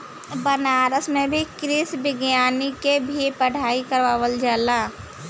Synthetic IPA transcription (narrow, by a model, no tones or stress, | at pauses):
bənaːɾəsmẽbʱikɾɪsbɪɡjaːnikebʱipəɽ̤aːikəɾʋaːwəld͡ʒəla